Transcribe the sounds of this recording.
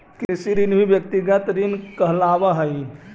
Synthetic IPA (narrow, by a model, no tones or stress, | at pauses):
kesiɾinbʱibjək̚t̪iɡət̪ɾinkəɦlaʋaɦəj